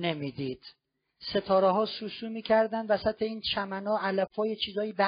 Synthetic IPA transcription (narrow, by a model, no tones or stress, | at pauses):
ne̞miːd̪iːd̪̥ | se̞t̪ʰɒːɾeɦɒːsuːsuːmiːcʰæɾd̪ænd̪væsæt̪ʰeiːnt͡ʃʰæmænɒːʔælæfhɒːjet͡ʃʰiːzɒːjibæ